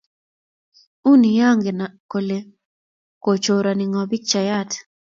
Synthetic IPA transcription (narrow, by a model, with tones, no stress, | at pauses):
u˦ni˨ja˦ŋɡe˨na˨ko˨le˨ | ko˨t͡ʃo˨ɾa˨nɪ˨ŋɔ˨bi˦k̚t͡ʃa˨ja˦t